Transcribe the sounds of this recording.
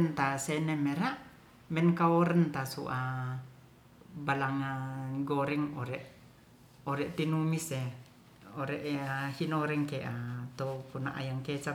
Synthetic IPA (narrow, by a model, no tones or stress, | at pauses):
nt̪asenemeɾaʔ | mɛnkaoɾənt̪asṵʔa | balaŋaɡoɾɛŋoɾɛʔ | oɾɛʔt̪inumise | oɾɛʔahinoɾɛŋkeʔat̪opunaʔa̰jaŋket͡ʃa